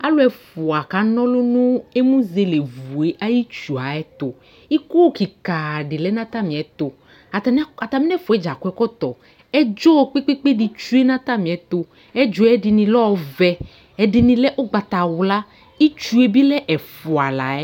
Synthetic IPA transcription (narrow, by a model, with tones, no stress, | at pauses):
a˦lo˦ɛ˨fo˨a˨ka˨nɔ̃˦lo˦nũ˦e˦mũ˦ze˦le˨vu˨e˦ʔa˦ji˦t͡ʃu˨a˨ɛ˦t̪o˨ | i˦ko˦ki˨ka˨ɖe˨lɛ˦nã˦t̪a˦mĩ˨ɛ˨t̪o˨˦ | a˨t̪a˨mi˦nɛ˦fo˨ɛ˦d͡ʒa˨kɛ˦kɔ˦t̪ɔ˨ | ɛ˦d͡ʒɔ˦o˦k͡pe˦k͡pe˦k͡pe˦ɖi˨t͡ʃu˦e˦nã˦t̪a˦mĩ˨ɛ˨t̪o˨ | ɛ˦d͡ʒo˦ɛ˦ɖi˨nĩ˨lɔ˦˨vɛ˨ | ɛ˨ɖi˨nĩ˨lɛ˦ʔo˦ɡ͡ba˨t̪a˨wu˨la˦ | i˦t͡ʃu˦e˦bi˦lɛ˦ʔɛ˨fu˨a˨la˨ɛ˦